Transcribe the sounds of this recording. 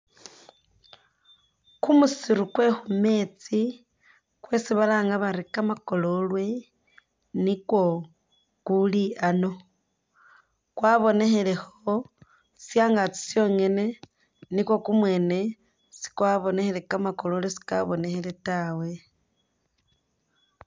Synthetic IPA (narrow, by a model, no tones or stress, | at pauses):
kumusiɾukwe̞xume̞ːt͡si | kwe̞siβalaːŋɡaβaɾikamako̞lo̞lwe̞ | nikwo̞ | kuliano̞ | kwaβo̞ne̞xe̞le̞xo | sjaːŋɡat͡si̥sjo̞ːŋe̞ne̞ | nikwo̞kumwe̞ne̞ | si̥kwaβo̞nexelekamako̞lo̞lwesi̥ka̰βo̞ne̞xele̞tawe̞